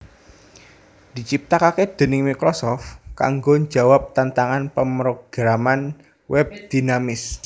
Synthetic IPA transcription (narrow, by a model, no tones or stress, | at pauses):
d̪̥i̤t͡ʃip̚t̪akaked̪̥e̤nɪŋmikɾosɔft̪ka̰ŋɡoɲd͡ʒawap̚t̪ant̪aŋanpəmɾoɡ̥ɾaman | wɛb̚d̪̥i̤namɪs